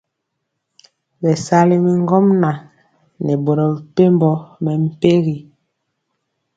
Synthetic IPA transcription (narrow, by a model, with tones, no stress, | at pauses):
bɛ˨sa˦li˨mi˨ŋ˦ɡɔ˦mna˨ | nɛ˨bo˨ɾɔ˨pe˦mbɔ˦mɛ˨m̩˦˨pe˦ɣi˨